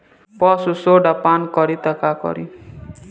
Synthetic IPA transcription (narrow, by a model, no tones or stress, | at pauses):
pɔsusoɖapankɔɾit̪akakɔ̰ɾḭ